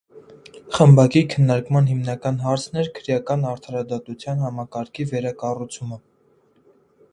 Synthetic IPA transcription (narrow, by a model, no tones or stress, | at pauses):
χəmbɑkikʰənːɑɾkmɑnɦimnɑkɑnɦɑɾt͡sʰnɛɾkʰəɾjɑkɑnɑɾt̪ʰɑɾɑd̪ɑt̪ut͡sʰjɑnɦɑmɑkɑɾkʰivɛɾɑkɑrut͡sʰumə